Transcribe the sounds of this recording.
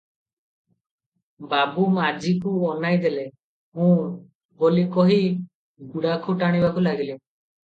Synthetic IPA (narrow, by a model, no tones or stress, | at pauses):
babumad͡ʒikuɔnajd̪ele | mũ | bolikɔɦi | ɡuɽakʰuʈaɽ̃ibakulaɡilim